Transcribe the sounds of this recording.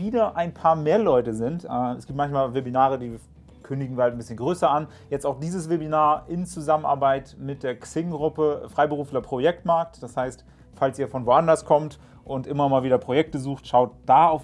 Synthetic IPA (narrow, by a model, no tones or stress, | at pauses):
viːdɐʔaɪnpʰaːɐmeːɐlɔʏtəzɪntʔɛɛ̰sɡ̥iːptmançmaːlvebinaːʁədiː | kʰʏndɪɡŋ̩viːɐhaltn̩bɪsçənɡʁøːsɐan | jɛt͡staʊxd̥iːzəsv̥ebinaːɐʔɪnt͡suzaməna̰ɐbaɪtmɪt̚d̥eːɐksɪŋɡʁʊpəfʁ̥aɪbəʁuːfn̩ɐpʁ̥ojɛk̚tmaɐk̚td̥ashaɪst | falsiːɐfɔnvoːʔandɐskʰɔmt | ʔʊntʔɪmɐmaːlviːdɐpʁ̥ojɛk̚təzuːxtʃaʊt̚d̥aːaʊf